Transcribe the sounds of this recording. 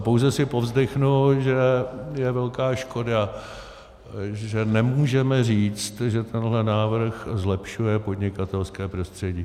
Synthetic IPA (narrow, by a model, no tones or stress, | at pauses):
po̞wzɛsɪpo̞vzdɪxnuʒɛjɛvɛlkaːʃko̞da | ʒɛnɛmuːʒɛmɛriːt͡st̪ʒɛt̪ʰɛnɦlɛnaːvr̩xzlɛpʃujɛpo̞dɲɪkat̪ɛlskɛːpɾo̞st̪r̝̥ɛɟiː